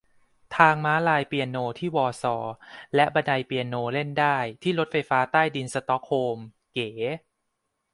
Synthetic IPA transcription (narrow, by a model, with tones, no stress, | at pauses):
t̪ʰaː˧ŋmaː˦˥laː˧jpi˧ə˧nːoː˧t̪ʰiː˥˩wɔː˧sɔː˩˦lɛ˦˥ʔba˧da˧jpi˧ənːoː˧le˥˩ndaː˥˩jt̪ʰiː˥˩lo˦t̪̚fa˧jfaː˦˥t̪aː˥˩jdi˧nsa˧t̪ɔ˦˥kʰoː˧m | keː˩˦